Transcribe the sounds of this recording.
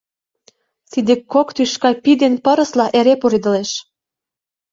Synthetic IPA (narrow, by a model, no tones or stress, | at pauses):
t̪id̪ekːokt̪yʃkɑpid̪enpə̆ɾə̆slɑʔeɾepuɾid̪ə̆leʃ